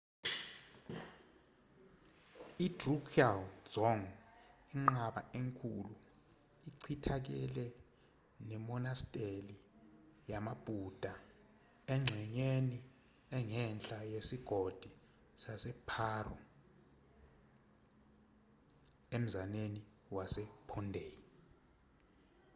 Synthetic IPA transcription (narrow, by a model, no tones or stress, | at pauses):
idrukʰialzɔŋiŋ͡ǁaɓa̰eŋkʰulu | iǀʰitʰak̬ɛlɛ | nɛmɔnastʼeli | jamab̥ʱud̥ʱa | ɛŋ͡ǀʱɛɲeni | ɛŋɛnt͡ɬʼajesiɡ̥ʱod̥ʱi | sasɛpʰaːrɔ̰ | em̩zaneni | wasɛpʰɔndʱe